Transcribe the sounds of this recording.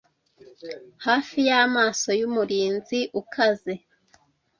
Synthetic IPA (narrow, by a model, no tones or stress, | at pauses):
haːfijamaːso̞jumuɾiːnziʔukʰaze̞